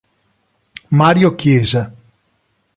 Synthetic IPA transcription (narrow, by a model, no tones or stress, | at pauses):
maːɾjokjeːza